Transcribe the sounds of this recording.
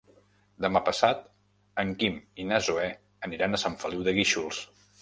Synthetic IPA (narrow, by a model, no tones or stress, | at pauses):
d̪əmapəsat̪ | əŋkiminazuɛ | əniɾanəsaɱfəliwðəɣiʃulˠs